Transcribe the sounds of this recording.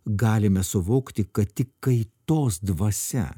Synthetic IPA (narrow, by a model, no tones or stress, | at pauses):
ɡɑːlʲɪmʲɛsʊʋoːkt̪ʲɪkɐt̪t̪ʲɪkːɐɪt̪oːsd̪ʋɐsʲɛ̰